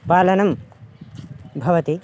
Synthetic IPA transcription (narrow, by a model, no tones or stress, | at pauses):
paːlɐnɐm | bʱɐʋɐt̪i